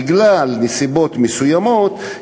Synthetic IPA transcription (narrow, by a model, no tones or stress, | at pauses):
ɡlalnesibo̞t̪mesujamo̞t̪